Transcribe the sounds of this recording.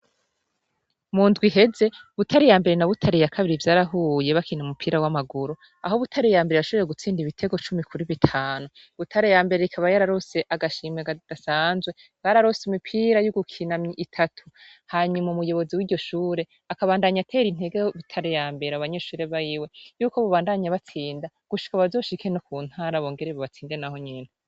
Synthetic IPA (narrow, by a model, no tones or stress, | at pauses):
mundɡwiɦe̞ze̞βutʰaɾijaːmbe̞ɾe̞naβutʰaɾijakʰaβiɾivjaːɾaɦuje̞βakʰinaumupʰiːɾawamaɡuɾo | ahoβutʰaɾejaːmbeejaʃoβeɾeɡut͡siːndiβitʰe̞ɡo̞t͡ʃumikuɾiβitʰaːnu | βutʰaɾejaːmbe̞ɾeikʰaβajaɾaɾose̞ʔaɡaʃiːmeɡad̥asaːnzwe̞ | ɡaɾaɾosimipʰiːɾajuɡukʰinamiʔitʰatʰu̥haːɲumaumujo̞βo̞ziwiːɾɟo̞ʃuːɾe̞ | akaβaːndaːɲatʰe̞ːɾin̥he̞ɡeβitʰaɾejaːmbe̞ɾaβaɲe̞ːʃuːɾeβajiwe̞juːko̞βoβaːndaɲaβat͡siːnda | ɡ̥uʃi̥kaβazo̞ːʃikʰe̞nokuːn̥haːɾaβoːŋɡe̞ɾeβaβat͡siːndenaho̞ɲiːna